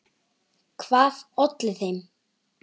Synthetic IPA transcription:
kʰvaːðɔt̪lɪθejm

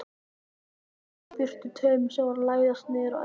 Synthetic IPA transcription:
fɪr̥t̪ʏt̪ʰœːmʏ̥sɛmvaɾlaːjðast̪nɪːðɪɾaw

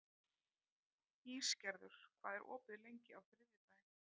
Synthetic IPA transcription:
hiːscɛɾðʏɾ̥kʰvaːðɛɾʔɔ̰ːpɪðlejɲcɪawfɾɪːvjɪt̪aːjɪn

